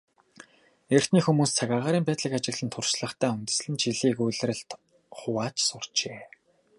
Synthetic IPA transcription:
er̥t̪niːxumuːst͡sʰaɣʲaːʁaːɾiːmpæːt̪ɮĭkat͡ɕɪ̆ɣɮɘ̆nt̪ʰʊrʃɮə̆χt̪ʰæːunʲt̪ɘ̆sɮɘ̆nt͡ɕiɮiːkujɮ̆rɘ̆ɮt̪ | χʊwaːt͡ɕsʊr̥t͡ɕeː

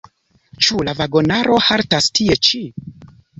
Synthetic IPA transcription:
t͡ʃulavaɡo̞naɾo̞haɾtastʰie̞t͡ʃi

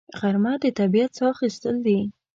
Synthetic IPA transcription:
ɣaɾmad̪ət̪abijat̪sɑxist̪əld̪i

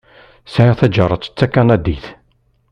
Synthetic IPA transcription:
sʕiʁθæd͡ʒəɾˤət͡sːə̥t͡sːækːænæd̪iθ

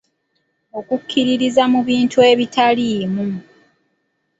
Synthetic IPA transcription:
o̞kukʰːiɾiɾizamuβiːntue̞βitʰaliːmu

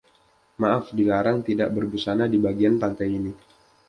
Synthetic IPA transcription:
maʔafdilaɾaŋt̪idaʔbərbusanadibaɡianpant̪ajini

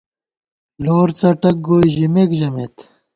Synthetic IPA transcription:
loːɾt͡sɐʈɐk̚ɡoːiʑimekʑɐmḛt̪

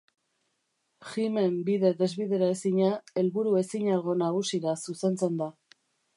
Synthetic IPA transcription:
xime̞mbið̞e̞ðe̞zβiðe̞ɾae̞siɲae̞lβuɾue̞siɲalɣo̞naɣ̞usiɾasuse̞nt͡se̞nd̪a

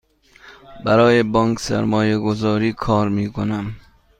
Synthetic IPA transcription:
baɾɒːjebɒŋksa̰ɾmɔːjeɡozɒːɾiːkʰɒːɾmiːkʰonam

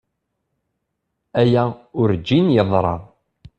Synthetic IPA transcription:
æjæʊɾd͡ʒːinjəðˤɾˤɑ̰

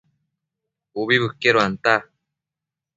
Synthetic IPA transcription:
oβibɯkːeɾoant̪a

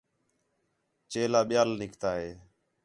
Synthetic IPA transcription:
t͡ʃeːlaːɓɪjaːlnɪkʰt̪aːɦeː

